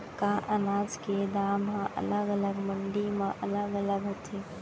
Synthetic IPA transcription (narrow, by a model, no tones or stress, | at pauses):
kaʔənaːd͡ʒked̪aːmɦãʔɐə̰ləɡələɡmə̃ɳɖimãʔɐləɡələɡɦot̪e